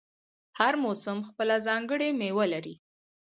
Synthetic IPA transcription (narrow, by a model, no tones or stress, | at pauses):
haɾmosəmxpəlazɑŋɡəɽemewalaɾi